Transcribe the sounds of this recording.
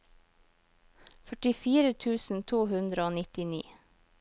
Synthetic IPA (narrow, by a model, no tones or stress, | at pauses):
fœʈɪfiːɾət̪ʰʉːsn̩t̪ʰuːhʉnd̪ɾəoːnɪt̪ɪnḭː